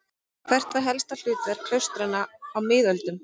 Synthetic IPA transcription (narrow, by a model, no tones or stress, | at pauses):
kʰvɛr̥t̪aɦɛlst̪al̥ʏːt̪vɛɾ̥kʰl̥œwst̪ɾɪnːaːwmɪːðœlt̪ʏm